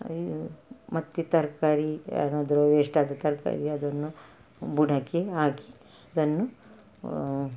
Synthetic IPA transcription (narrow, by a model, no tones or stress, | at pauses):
mɐt̪ːit̪ɐɾkaːɾiɐ̰naːd̪ɐɾoʋeːʂʈaːd̪ɐt̪ɐɾka̰ːɾiɐd̪ɐnːu | buɖʱɐkeaːki̥ | ɐd̪ɐnːu